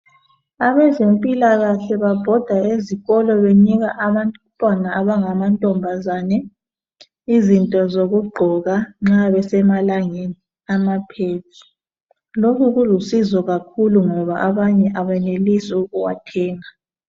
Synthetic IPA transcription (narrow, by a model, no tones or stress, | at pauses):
aβɛzempʼilaɣaɬɛβab̥ʱɔd̥ʱaeziɣɔlɔβeɲiɣaʔaβantʼuupʼanaːβaŋamantʼɔmbʱazanɛ | izintʼɔzoɣuɡ͡ǃʱɔɣaŋ͡ǁaβɛsɛmalaŋeni | amapʰeːtʰi̥ | lokʰuɣulusizɔɣakʰuluŋɔβaʔaβaɲɛʔaβɛnelisiuɣuwa̰tʰɛːŋa